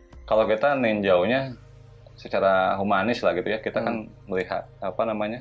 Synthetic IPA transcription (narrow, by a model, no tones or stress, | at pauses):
kalokit̪anɛŋd͡ʒauhɲa | sət͡ʃaɾaɦumanɪslahɡit̪ujakit̪akan | məliɦa̰t̪̚apanamaɲa